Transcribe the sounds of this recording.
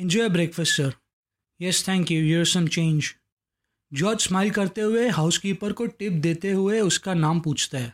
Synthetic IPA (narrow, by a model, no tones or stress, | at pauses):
ɪ̃nd͡ʒɔːjbɾeːkfəsʈəɾ | jɛst̪ʰɛ̃ːŋkjujuːɾsɐ̃mt͡ʃẽːnd͡ʒ | d͡ʒɔːd͡ʒsmaːɪlkɐɾt̪eɦʊeɦaːʊskipəɾkoʈɪp̚d̪eːt̪eɦʊeʊskanaːmpũːt͡ʃʰt̪aɦɛː